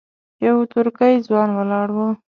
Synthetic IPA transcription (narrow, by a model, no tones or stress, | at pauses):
jawt̪ʊɾkəjd͡zwɑnwəlɑɽwu